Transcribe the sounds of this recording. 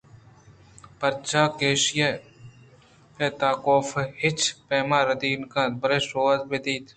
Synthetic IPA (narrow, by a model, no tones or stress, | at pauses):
pɐɾt͡ʃaːkeːʃje | eːt̪aːkoːfehɪt͡ʃpeːmaːɾɐd̪iːnkãːt̪bɐɾeːsoːət̪bed̪iːt̪ʰ